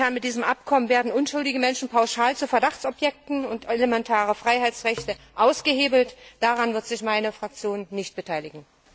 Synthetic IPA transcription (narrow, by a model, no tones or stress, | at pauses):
aːnmɪt̚d̥iːzəmʔapkʰɔmənveːɐdn̩ʔʊnʃʊldɪɡəmɛnʃn̩pʰaʊʃaːlt͡sufɛɐdaχt͡sɔpjɛk̚tn̩ʊnteləmɛntʰaːʁəfʁ̥aɪɦaɪt͡ssʁɛçtəʔaʊsɡ̥əheːbl̩td̥aʁanvɪɐtz̥ɪçmaɪnəfʁ̥ak̚t͡sjoːnːɪçt̚b̥ətʰaɪlɪɡŋ̩